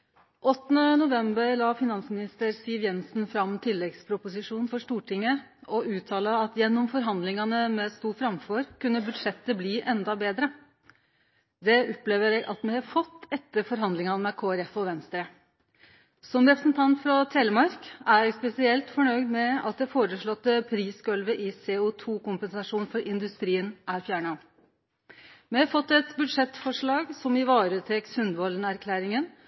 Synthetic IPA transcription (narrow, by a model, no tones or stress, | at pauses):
ʔɔt̪ːənənʊʋɛmbəɾlɑːfɪnɑnsmɪnɪst̪əɾsiːʋjɛnsn̩fɾɑmt̪ʰɪlːɛɡspʰɾʊpʊsɪʂuːnnfɔʂt̪uːʈʰɪŋːə | ɔʔʉːt̪ʰɑːləɑt̪jɛnːɔmfɔɾɦɑnd̪lɪŋɑnəmɛst̪uːɾfɾɑmfɔɾkʉnːəbʉd̪ʂɛt̪ːəbliːʔɛnd̪ɑbeːd̪ɾə | d̪ɛɔpleːʋəɾɛːɡʔɑt̪mɛhɑfɔt̪ːɛt̪ːəɾfɔɾɦɑnd̪lɪŋɑnmɛkʰoːæɾɛfɔʋɛnst̪ɾə | sɔmɾɛpɾəsnt̪ʰɑnt̪fɾɑt̪ʰeːləmɑɾkæɾɛːɡspɛsɪɛlt̪fɔɳœʏd̪mɛɑt̪̚d̪ɛfoːɾəʂɭɔt̪ːəpʰɾiːsɡœlʋəʔɪseːʊt̪ʰuːkʊmpənsɑʂuːnfɔɾʔɪnd̪ʉst̪ɾiːənʔæɾfjæːɳɑ | mɛhɑɾfɔt̪ːɛt̪bʉd̪ʂɛt̪ːfɔʂɭɑːɡsɔmɪʋɑːɾət̪ʰekshʉnd̪ʋɔlənæɾkʰlæːɾɪŋən